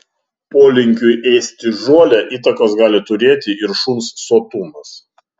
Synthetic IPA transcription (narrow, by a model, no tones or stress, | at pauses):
poːlʲɪŋʲkʲʊjʔɛɪsʲt̪ʲɪʒoːlʲɛʔiːt̪ɐkoːsɡɑːlʲɪt̪ʊɾʲeːt̪ʲɪɪɾʃunsːoːt̪uːnɐs